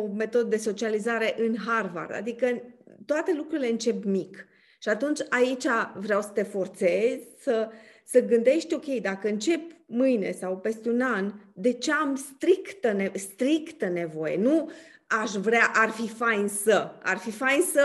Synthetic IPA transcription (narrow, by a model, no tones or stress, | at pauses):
ome̞t̪o̞d̪əd̪e̞so̞t͡ʃializaɾe̞ʔɨnɦarva̰rd̪a̰d̪ikət̪oat̪e̞lukɾuɾile̞ɨnt͡ʃe̞pmik | ʃiat̪unt͡ʃʲait͡ʃʲavɾeawsə̥t̪e̞fo̞rt̪se̞z̥ʲsəsəɡɨnd̪e̞ʃt̪ʲo̞kʲe̞jd̪akəɨnt͡ʃe̞pmɨjne̞̰sawpe̞st̪e̞unand̪e̞t͡ʃeamst̪ɾikt̪ənest̪ɾikt̪əne̞vo̞je̞̰nu | aʃvɾeaʔarfifajnsəa̰rfifajnsə